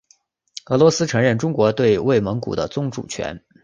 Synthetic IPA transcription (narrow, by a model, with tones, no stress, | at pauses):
ɤ˧˥lwɔ˧˥sɹ̩˥ʈ͡ʂʰɤ˧˥ŋɻə˥˩nʈ͡ʂʊ˥ŋkwɔ˧˥t̪we˥˧ɪwe˥˩ɪmə˧˥ŋkṵ˨˩d̪ə˦t͡sʊ˥˧ŋʈ͡ʂṵ˥˩t͡ɕʰɥɛ̰˧˥n